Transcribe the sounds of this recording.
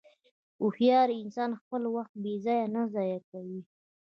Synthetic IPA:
ʊhjɑɾɪnsɑnxpəlwaxt̪̚bezɑjanazɑjakawi

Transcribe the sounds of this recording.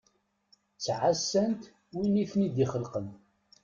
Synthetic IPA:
t͡sːʕasːænt̪ | winiθnid̪iχəlqən

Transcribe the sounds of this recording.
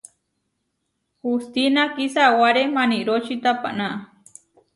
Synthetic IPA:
hust̪inakisawaɾemaniɾot͡ʃit̪apa̰naʔa

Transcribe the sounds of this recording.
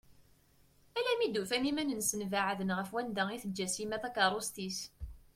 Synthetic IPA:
ælæmid̪ufænimænənsənvaʕðənʁəfwænd̪æiθəd͡ʒːæsimæθækɑɾˤost̪is

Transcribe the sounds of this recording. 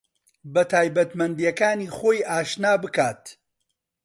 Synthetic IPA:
bɐt̪ʰaːjbɐt̪mɐnd̪ijɐkaːniːχoːjʔaːʃnaːbɨkaːt̪

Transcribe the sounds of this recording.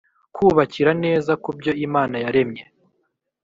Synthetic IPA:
kʰuːβaciɾane̞ːzakubɟo̞imaːnajaɾe̞mɲe

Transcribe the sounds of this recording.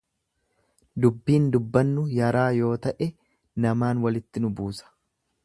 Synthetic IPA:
d̪ʊbːiːnd̪ʊbːɐnːʊjɐɾaːjo̞ːt̪ɐʔɛ | nɐmaːnwɐlɪt̪ːɪnʊbuːsɐ̥

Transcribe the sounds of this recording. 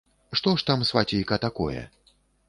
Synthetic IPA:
ʂt̪ɔʂt̪amsfatʲijkɐt̪akɔ̰jɛ̰

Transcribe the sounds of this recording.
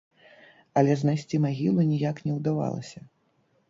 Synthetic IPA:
ɐlʲɛznajsʲt͡sʲimaɣʲilˠunʲijaknʲɛwd̪ava̰lˠɐ̰sʲɐ

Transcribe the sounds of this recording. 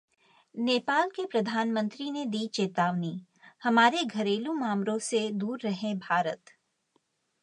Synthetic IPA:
neːpaːlkepɾɐd̪ʱaːnmə̃nt̪ɾined̪iːt͡ʃeːt̪aːʋni | hɐmaːɾeɡʱɐɾeːlũmaːmɾõsed̪uːɾːɐɦẽbʱaːɾət̪

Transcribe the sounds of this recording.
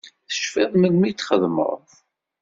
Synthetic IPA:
θə̥ʃfɪðˤməɡmit͡s̪ːχəðmə̰ɾˤð

